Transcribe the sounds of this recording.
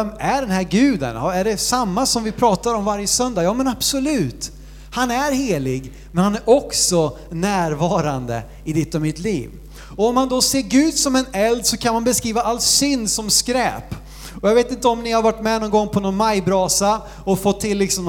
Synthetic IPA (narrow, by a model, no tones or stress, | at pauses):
ɛmæɖɛnɦæɾɡʉ̟ːd̪ə̰nhæɖɛsamːasɔmvɪpʰɾɑːt̪aɾɔmvaɾjəsœnd̪ajɑːmɛnab̥sɔlʉ̟ːt̪ | hanæɾheːlɪɡ | mɛnhanæɾʔɔksɔ | næːɾvɑːɾand̪ə̰ | ɪd̪ɪt̪ːɔmɪt̪liːv | ɔɔmːand̪ɔseːɾɡʉ̟ːd̪sɔmɛnɛld̪sɔkʰanmanbɛskɾiːvaʔalt̪sʏnd̪sɔmskɾɛ̰ːp | ɔjaɡveːt̪ɪnt̪əɔmnɪhaɾvaʈːmɛnɔnɡɔŋːpʰɔnɔnmajbɾɑːsa | ɔfɔt̪ʰːɪlːɪksɔm